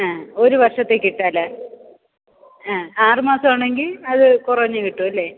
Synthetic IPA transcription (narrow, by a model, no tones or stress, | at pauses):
aːo̞ɾuʋɐrʂɐt̪ːeːkːiʈːaːlːɐ | aːaːrɨmaːsɐmaːɳe̞ŋɡilɐðɨkurɐɲːɨkiʈːuɐlːe̞ː